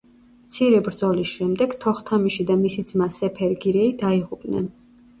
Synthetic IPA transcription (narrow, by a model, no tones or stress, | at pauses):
mt̪sʰiɾɛbɾd̪zɔlisʃɛmd̪ɛɡt̪ʰɔχt̪ʰamiʃid̪amisid̪zmasɛpʰɛɾɡiɾɛid̪aiʁupʼnɛ̰n